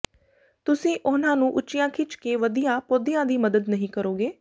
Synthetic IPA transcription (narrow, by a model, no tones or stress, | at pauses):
t̪ʊsĩːʔʊnãːnũːʔʊt͡ʃːɪjãːkʰɪt͡ʃkeːʋəd̪ijãːpoːd̪ijãːd̪iːməd̪əd̪nəɦĩːkəɾoːɡeː